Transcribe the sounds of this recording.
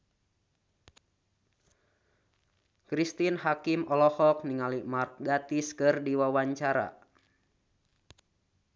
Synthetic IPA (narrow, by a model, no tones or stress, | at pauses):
kɾist̪inhakimɔlɔhɔk̚niŋalimark̚ɡat̪iskɨrdiwawaɲt͡ʃaɾa̰